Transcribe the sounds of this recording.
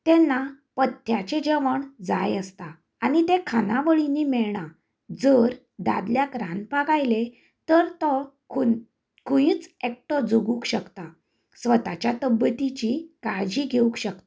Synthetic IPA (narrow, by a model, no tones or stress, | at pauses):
t̪ɛnːa | pət̪jat͡ɕed͡ʑəʋəɳd͡zajəst̪a | anit̪ekʰanaʋəɭinimɛɭɳa | d͡zəɾ | d̪a̰d̪ljakɾãnpaɡajle | t̪əɾt̪ɔ | ku | kujĩt͡sek̚ʈɔd͡zuɡukɕəkt̪a | sʋət̪at͡ɕjat̪əbət̪it͡ɕikad͡ʑiɡʱeũkɕək̚t̪ḁ